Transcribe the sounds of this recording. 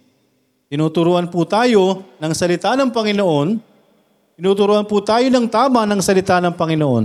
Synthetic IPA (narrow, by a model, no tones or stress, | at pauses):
t̪ɪnuːt̪ʊɾuːʔɐnput̪aːjo̞nɐŋsɐlɪt̪anɐŋpɐŋɪnoʔo̞n | t̪ɪnuːt̪ʊɾuːʔɐnput̪aːjo̞nɐŋt̪aːmɐnɐŋsɐlɪt̪anɐŋpɐŋɪnoʔo̞n